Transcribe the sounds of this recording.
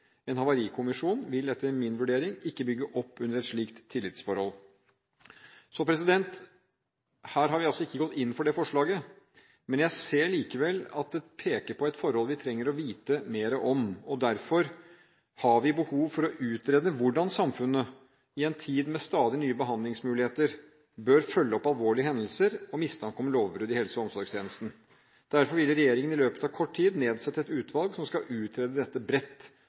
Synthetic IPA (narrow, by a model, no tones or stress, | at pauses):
ɛnhɑʋɑɾiːkʰʊmɪʂuːnʋɪlɛt̪ːəɾmɪnʋʉɖeːɾɪŋɪkːəbʏɡːəʔɔpːʉndəɾɛt̪ʂɭiːkt̪ʰːɪlːɪt̪sfɔɾhɔl | sɔpʰɾɛsɪd̪ɛnt̪ | hæːɾɦɑɾʋɪɑlsɔɪkːəɡɔt̪ːɪnːfɔɖɛfɔʂɭɑːɡə | mɛnjæɪseːɭiːkəʋɛlːɑ̰t̪̚d̪ɛpʰeːkəɾpʰɔɛɪt̪fɔɾhɔlʋɪt̪ʰɾɛŋːəɾɔʋiːt̪əmeːɾəʔɔmɔd̪æɾfɔɾ | hɑɾʋɪbəhuːʋfɔɾɔʔʉːt̪ɾeːd̪əʋʊɖɑnsɑmfʉnːə | ɪɛnt̪ʰiːd̪mɛst̪ɑːd̪ɪnyːəbəɦɑnd̪lɪŋsmʉːlɪheːt̪əɾ | bøɾfœlːəɔpːɑlʋoːɭɪəɦɛnd̪əl̩səɾɔmɪst̪ʰɑŋkɔmloːʋbɾʉːd̪ɪhɛlsɔɔmsɔɾɡst̪ʰeːnəst̪n̩ | d̪̥æɾfɔɾʋɪlːəɾɛjeːɾɪŋənɪløːpə̥t̪ɑʋkʰɔʈːʰiːd̪neːd̪sɛt̪ːəɛt̪ʉːt̪ʰʋɑlɡsɔmskɑʔʉːt̪ʰɾeːd̪əd̪ɛt̪ːəbɾɛt̪ː